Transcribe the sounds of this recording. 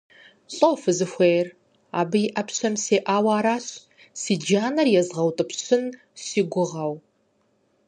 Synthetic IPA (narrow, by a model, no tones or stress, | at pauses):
ɕʼowfɨzɨxʷejr | a̰ːbɨjɪʔɐpʰɕɐmseːʔaːwaːɾaːɕ | siːd͡ʒaːnɐrjɛzʁɐwtʼɨpʰɕɪn | siːɡʷʊʁɐw